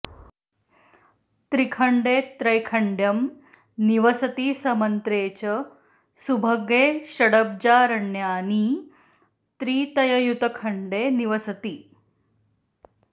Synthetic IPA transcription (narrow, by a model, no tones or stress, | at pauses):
t̪ɾikʰəɳɖeːt̪ɾɐjkʰɐɳɖjɐm | niʋɐsɐt̪iːsɐmɐnt̪ɾeːt͡ɕɐ | subʱɐɡeːɕɐɽəb̚d͡ʑaːɾɐɳjaːni | t̪ɾiːt̪ɐjɐjut̪ɐkʰɐɳɖeːniʋɐsɐt̪iː